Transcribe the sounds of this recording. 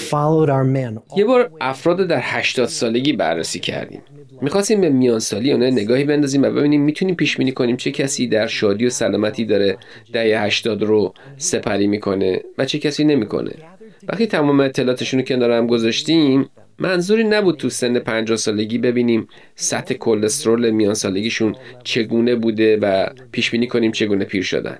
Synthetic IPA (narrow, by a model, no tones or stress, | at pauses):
fɑlˠoʊɾaəmɛ̃nje̞bɒːɾʔæfɾɒːd̪ɾod̪æɾhæʃt̪ɒːd̪̥sɒːle̞ɟiːbæ̰rːḛsiːcʰæ̰ɾd̪ḭːmː | ixɒst̪iːmbe̞mijɒːnsɒːlijeunɒːjne̞ɡɒːhiːbe̞nd̪ɒːziːmvæbe̞biːniːmːiːt̪ʰuniːmpiːʃb̥iːniːkʰo̞niːmt͡ʃʰe̞cʰæsiːd̪æɾʃɒːd̪ijosælɒːmæt̪ʰiːd̪ɒːɾe | d̪̥æhejhæʃt̪ɒːd̪ɾo | se̞pʰæɾiːmiːkʰo̞nḛvæt͡ʃʰe̞cʰæsiːne̞miːkʰo̰nʔḛ | væ̰χt̪iːt̪ʰæmɒːmeːt̪ʰːe̞lɒːt̪ʰe̞ʃunocʰend̪ɒːɾæmɡozɒʃt̪imː | mʔænzuːɾiːnæbuːd̪̚t̪ʰuse̞nːe̞pʰænd͡ʒɒːhsɒːle̞ɟiːbe̞biːniːm | sæt̪ʰːe̞kʰolːe̞st̪ɾolemijɒːnsɒːle̞ɡiːʃunt͡ʃʰe̞ɡuːne̞buːd̪e̞væ | pʰiːʃbiːniːkʰo̞niːmt͡ʃʰe̞ɡuːne̞pʰiːɾʃo̰d̪æ̰n